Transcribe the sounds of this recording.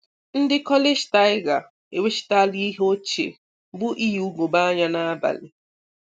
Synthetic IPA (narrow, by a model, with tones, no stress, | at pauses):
n̩˦dɪ˦kɔ˦le˦ʃi̥˨ta˦ɪ˦ɡa˨ | e˨we˦ʃi̥˨ta˦li˦i˦ɦo˦t͡ʃḛ˨ | bu˦ʔi˦ju˨˦u˦ɡo˨ba˦ɲa˦na˦ba̰˨lɪ˨